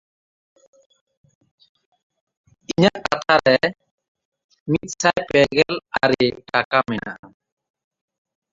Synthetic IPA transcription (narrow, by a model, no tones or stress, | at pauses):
iɲaʔkat̪ʰaɾɛ | mit̪̚sajpɛɡɛlaɾiʈakamɛna̰ʔa